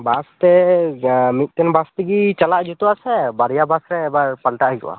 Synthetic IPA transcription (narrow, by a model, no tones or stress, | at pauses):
bast̪ɛ | mit̪̚ˀt̪ɛnbast̪iɡit͡ʃalaʔd͡ʒut̪uasɛbaɾijabasɾɛːbaɹpalʈaʔɦikɔ̰wa̰